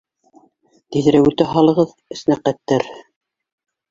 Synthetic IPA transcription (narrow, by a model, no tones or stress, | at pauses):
t̪iðɘ̆ɾæwʉt̪æɦɑlˠɤ̆ʁɤð | ɘ̆s̆næqæt̪ːæɾ